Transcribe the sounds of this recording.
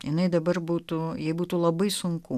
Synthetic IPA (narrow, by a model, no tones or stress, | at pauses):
jɪnɐɪd̪ɐbɐrbuːt̪ujɛɪbuːt̪uːlˠɐbɐɪsʊŋku